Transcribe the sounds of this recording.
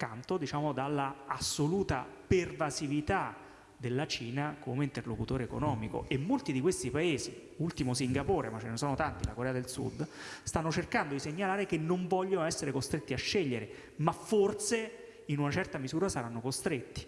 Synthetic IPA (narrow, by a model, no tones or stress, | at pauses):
kant̪od̪it͡ʃaːmod̪alːaasːoluːt̪a̰pervasivit̪a | d̪elːat͡ʃiːnakomeint̪erlokut̪oːɾeːko̰nɔːmiko̰ʔemːolt̪id̪ikwest̪ipaeːzi | ult̪imos̬iŋɡapoːɾemat͡ʃːenesɔːnot̪ant̪ilakoɾɛːad̪elsṵd̪st̪anːot͡ʃerkand̪od̪iseɲːalaːɾekenːoɱvɔʎːonoɛsːeɾekost̪ɾet̪ːiaʃːeʎːeɾe | mafːort̪se | inunat͡ʃɛrt̪amizuːɾasaɾanːokost̪ɾet̪ːi̥